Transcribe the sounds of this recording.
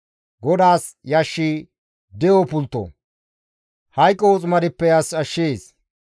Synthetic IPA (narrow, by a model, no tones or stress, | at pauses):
ɡɔd̪aːs | jɐʃːi | d̪ɛjɔpʊlt̪ːo̰ | hɐjkʼːɔɔt͡sʼmɐd̪ɪpːɛjɐsɐʃːeːs